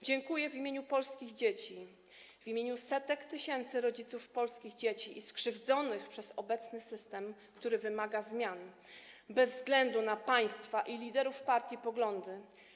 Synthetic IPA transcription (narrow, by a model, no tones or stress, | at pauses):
d͡ʑɛŋkujɛvʲimʲeɲupɔlskʲiɣd͡ʑet͡ɕi | vʲimʲjeɲusɛt̪ɛkt̪ɘɕɛnt̪sɘɾɔd͡ʑit̪sufpɔlskʲiɣd͡ʑet͡ɕiʔiskʂɘvd̪zɔnɘxpʂɛzɔbɛt̪snɘsɘst̪ɛmkt̪uɾɘvɘmaɡazmʲjan | bɛzːɡlɛnd̪unapaj̃st̪faʔilʲid̪ɛɾufpaɾt̪ʲjipɔɡlɔnd̪ɘ